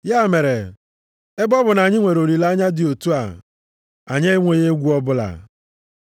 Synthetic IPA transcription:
ja˦˨me˨ɾe˨ | e˦bɔ˦bʊ˨na˨ɲɪ˦ŋʷe˨ɾo˨ɾi˨la˦ɲa˦dɪ˨o˨tu˦a˨ | a˨ɲe˦ŋʷe˨je˦ɡʷu˦ɔ˦bʊ˦la̰˨

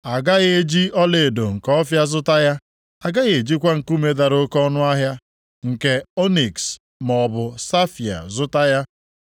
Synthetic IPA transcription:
a˨ɡa˦ɣe˨e˦d͡ʒi˦ɔ˦le˨do˨ŋ̩˨kɔ˦fja˦zʊ˦ta˦ja˦ | a˨ɡa˦ɣe˨d͡ʒi˦kʷa˦ŋ̩˨ku˦me˨da˨ɾo˦kɔ˦nʊ˦a˦ɦja˦ | ŋ̩˨ke˨o˦ni˨ks | mɔ˨bʊ˨sa˦fja̰˨zʊ˦ta˦ja˦

